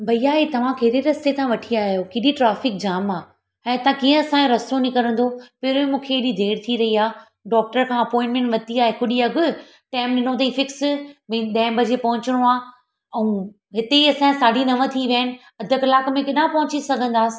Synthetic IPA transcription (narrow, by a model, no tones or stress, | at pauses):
bʱɐiaːɦet̪ɐʋ̤ãkeɦɾeɾɐset̪ʰãʋɐʈʰiaːɦijokiːɗiʈɾaːfɪk̚d͡ʑaːmaː | ɛ̃ːt̪ɐãkiːə̃ɐsãeɾɐsonikɐɾə̃nd̪opɪɾẽmũːkʰeːɗid̪ʱeːɽt̪ʰiɾɐɦiaː | ɖɔːk̚ʈəɾkʰãːɐpɔ̃ːɪ̃ɳʈmẽɳʈʋɐt̪iaːɦekʊɗiɐɡʱʊ | ʈaːɪmɗɪn̤ot̪̬ɐĩfɪksmɐ̃ɗɐ̃ːɪ̃bʱɐd͡ʑepɐ̃ɦʊ̃ɲt͡ɕɽ̃oaː | ɐũ | ɦɪt̪eiɐsãsaːɖʱinɐʋə̃t̪ʰiʋənɪ̆ | ɐd̪ʱəkɐlaːkmẽkɪɗãːpɐɦʊ̃t͡ɕisɐɡʱə̃nd̪aːsɪ̥̆